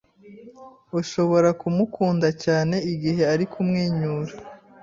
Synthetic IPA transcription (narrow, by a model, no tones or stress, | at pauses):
uʃo̞βo̞ɾakumukʰuːndacaːne̞iɡiɦe̞aɾikʰumŋeːɲuːɾa